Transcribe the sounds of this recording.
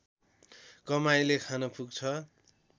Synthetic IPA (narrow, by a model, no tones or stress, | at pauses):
kʌmajlekʰanʌpʰuɡ̚t͡sʰʌ